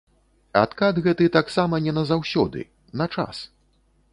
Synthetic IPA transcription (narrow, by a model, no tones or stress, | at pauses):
a̰t̪kad̪ɣɛt̪ɨt̪aksamɐnʲɛnɐzawsʲɔd̪ɨ̰ | nɐt͡ʂa̰s